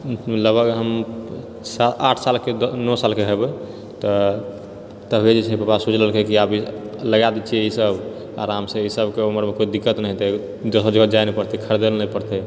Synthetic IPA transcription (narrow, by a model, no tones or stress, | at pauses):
ləɡbʱəɡɦəm | saaʈʰsalkenɔsalkeɦɛbe | t̪ɔ | t̪əbʱed͡ʒet͡ʃʰɛpəpasud͡ʒləlkekiabiləɡad̪it͡ʃʰiɛisəb | a̰ɾamsẽisəbkeoməɾmekoid̪ikːət̪nəɦit̪ɔ | d͡ʒosod͡ʒəɡd͡ʒajnɛpəɾt̪ikʰəɾd̪elnəipəɾt̪ɛ